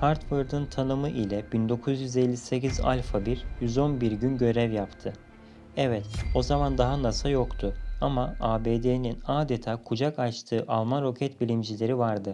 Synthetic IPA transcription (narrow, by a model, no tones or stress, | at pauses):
haɾt̪vɯɾd̪ɯnt̪ʰanɯmɯʔilʲɛbind̪o̞kʰuzjyzelʲːise̞ciza̰lʲfabiɾjyzo̞nbiɾɟynɟø̞ɾɛvjapt̪ʰɯ | ɛvɛt̪o̞zamand̪aɦanasajo̞kt̪ʰʊamaaːbeːd̪eninaːd̪et̪ʰaːkʰud͡ʒakat͡ʃt̪ʰɯːʔalˠmanɾo̞cʰɛt̪bilʲimd͡ʒilʲe̞ɾivaɾd̪ɯ